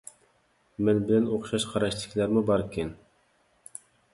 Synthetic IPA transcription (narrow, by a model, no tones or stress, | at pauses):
mɛnbɪlɛnoχʃɑʃqʰɑɾɑʃt̪ʰɪ̥kʲʰlæɾmɪbɑɾkʲʰɛn